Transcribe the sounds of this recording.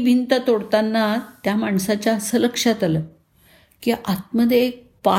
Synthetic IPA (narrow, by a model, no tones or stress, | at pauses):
bʱint̪ət̪oɽt̪anːat̪jamaɳsat͡ɕjaəsələkʂat̪alə | kiʔat̪̚məd̪ʱjeek̚ | pa